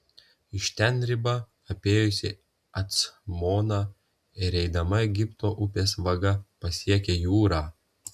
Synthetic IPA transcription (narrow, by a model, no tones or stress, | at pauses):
ɪʃt̪ʲɛnɾʲɪbɐ | ɐpʲeːjʊsʲɪ | ɐt̪smoːnɑ | ɪɾɛɪd̪ɐmɐɛɡʲɪpt̪oːʔʊpʲeːsʋɐɡɐpɐsʲiɛkʲeːjuːɾaː